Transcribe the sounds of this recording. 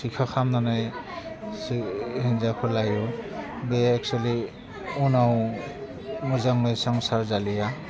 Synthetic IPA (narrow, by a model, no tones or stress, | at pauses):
sikʰaxʰamnanaj | shinzakʰɔlajɔbɛɛk̚t͡ʃuali | unaw | muzaŋnɔjsɔŋsaɹzalija